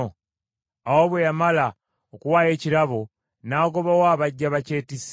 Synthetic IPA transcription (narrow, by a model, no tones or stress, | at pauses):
awoβwejamala | okuwaːje̞ːciɾaβo | naːɡo̞βawaːβaɟːaβace̞ːtis